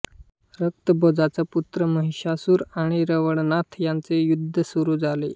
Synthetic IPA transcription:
ɾək̚t̪əbɔd͡zat͡saput̪ɾəməɦiɕasuːɾaɽ̃iɾəʋəɽnat̪ʰjant͡sejud̪ʱːəsuɾuːd͡zalḛ

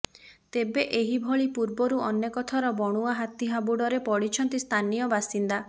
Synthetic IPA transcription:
t̪ebeʔeɦibʱɔɭipuɾbɔɾuɔnjekɔt̪ʰaɾɔbɔɽ̃uaɦat̪iɦabuɽɔɾepɔɽit͡ʃʰɔnt̪ist̪ʰanijɔbasind̪a

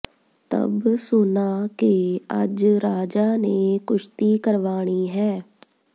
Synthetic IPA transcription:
t̪ə̰bsʊnaːkeəd͡ʒɾaːd͡ʒaːneːkʊʃt̪iːkəɾʋaːɽ̃iːɦɛː

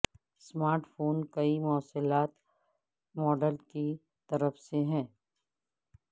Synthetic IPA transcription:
smaːɾʈfʰoːnkɐimɔːsəlaːt̪ | mɔːɖəlki | t̪ɐɾəfseɦɛ̃ː

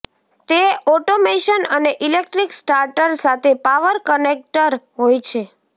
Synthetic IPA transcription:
t̪eɔʈomeʃənəneʔilek̚ʈɾiksʈaɾʈəɾsat̪ʰepaʋəɾkənek̚ʈəɾɦojt͡ʃʰe

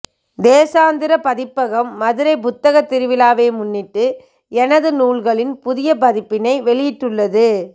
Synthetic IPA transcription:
d̪eːsaːnd̪ɪɾɐpɐðɪpːɐɣɐmːɐðɯɾɐɪp̬ʊt̪ːɐɣɐt̪ːɪɾɯʋɪlaːʋeːmʊnːɪʈːɯ | ɛnɐðɯnuːɭɣɐɭɪnpʊðɪjɐpɐðɪpːɪnɐɪʋɛɭɪjɪʈːɯɭːɐðɯ

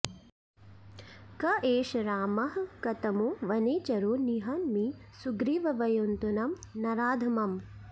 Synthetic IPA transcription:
kɐʔeːʃɐɾaːmɐɦɐkɐt̪ɐmuʋɐneːt͡ʃɐɾoːniɦɐnmisuɡɾiːʋɐʋɐjont̪unɐmnɐɾaːd̪ʱɐmɐm

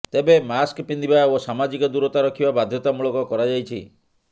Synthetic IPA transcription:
t̪ebemaskpind̪ibaosamad͡ʒikɔd̪uɾɔt̪aɾɔkʰibabad̪ʱjɔt̪amuɭɔkɔkɔɾad͡ʒajt͡ʃʰḭ

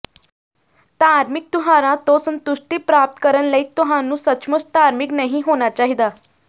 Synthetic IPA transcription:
t̪aːɾmɪk̚t̪ʊɦãɾãt̪osə̃nt̪uʂʈipɾaːp̚t̪kəɾənləiːt̪ʊɦãnũːsətːʃməst̪aːɾmiknəɦĩɦoːñat͡ɕaːɦid̪aː

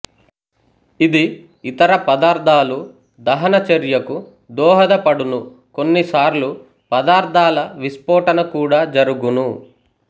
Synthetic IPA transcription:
id̪i | it̪ɐɾɐpɐd̪aːɾd̪ʱaːlu | d̪ɐɦɐnɐt͡ʃɐɾjɐku | d̪ɔːɦɐd̪ɐpɐɽunu | ko̞nːisaːɾlu | pɐd̪aːɾd̪ʱaːlɐʋispɔːʈɐnɐkuːɽaːd͡ʒɐɾuɡunu

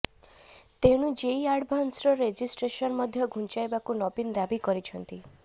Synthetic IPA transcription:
t̪eɽ̃ũd͡ʒeiaɽbʱɔnsɾɔɾed͡ʒisʈɾesɔnmɔd̪ʱjɔɡʱunt͡ʃajbakunɔpinɔd̪abikɔɾit͡ʃʰɔnt̪i

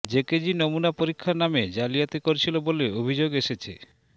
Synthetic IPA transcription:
d͡ʑeked͡ʑinomunapoɾikʰːaɾnamed͡ʑalijat̪ekoɾt͡ɕʰiloboleobʱid͡ʑoɡeʃet͡ɕʰḛ

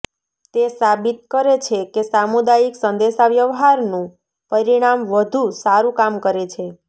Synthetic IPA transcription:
t̪esabit̪̚kəɾet͡ʃʰekesamud̪ajiksənd̪eʃaʋjəʋɦaɾnũ | pəɾiɽ̃amʋəd̪ʱusaɾũkamkəɾet͡ʃʰe

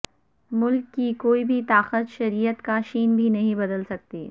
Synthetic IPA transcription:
mʊlkːikoːibʱit̪aːqət̪ʃɐɾiːjət̪kaʃiːnbʱinɐɦĩbɐd̪əlsɐk̚t̪iː

